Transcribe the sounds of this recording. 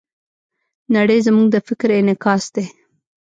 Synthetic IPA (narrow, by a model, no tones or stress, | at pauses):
naɽəjzəmuŋɡ̚d̪əfɪkɾɪnɪkɑsd̪e